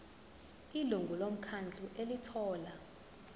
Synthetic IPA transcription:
iluŋɡʱulom̩kʰand͡ɮʱuʔelitʰɔːla

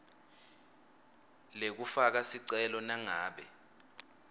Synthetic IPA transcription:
lek̬ufak̬asiǀɛlɔnaŋaːɓɛ

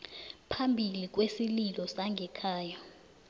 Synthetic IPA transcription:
pʰambʱilik̬wesililɔsaŋʱɛkʰaːjɔ

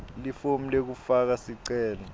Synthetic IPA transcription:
lifom̩lek̬ufak̬asiǀɛːlɔ

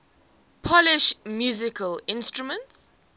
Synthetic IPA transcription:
pʰɔlɪʃmjuːzɪkʰəlɪ̃nstɹumə̃nts

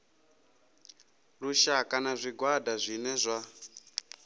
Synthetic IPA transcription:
ruʃakanazʷiɡwadʱazʷinɛzʷa

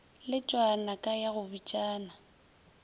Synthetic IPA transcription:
lɪt͡ʃʼwanakʼajaɣʊbit͡ʃʼaːna

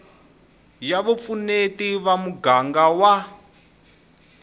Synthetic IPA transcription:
jaβup̪funetiβamuɡaŋɡawa

